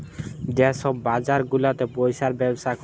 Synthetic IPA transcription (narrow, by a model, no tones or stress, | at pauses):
d͡ʑeʃɔbːad͡ʑaɾɡulat̪epojʃaɾbɛboʃakɔ